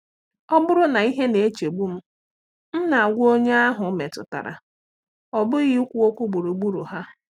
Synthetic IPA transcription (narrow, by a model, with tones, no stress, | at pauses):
ɔ˦bʊ˦ɾʊ˦na˨i˦ɦe˦ne˨e˦t͡ʃe˨ɡ͡bu˦m̩˦ | n̩˦na˨a˨ɡʷo˦ɲe˦a˦ɦʊ˨˦me˨tʊ̰˨ta̰˨ɾa̰˨ | ɔ˨bʊ˦ɣi˦kʷu˦o˦kʷu˦ɡ͡bu˨ɾu˨ɡ͡bu˦ɾṵ˨ɦa˦